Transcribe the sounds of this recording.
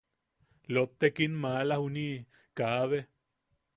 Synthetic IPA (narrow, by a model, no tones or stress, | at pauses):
lop̚t̪ekinmalahuni | kaβe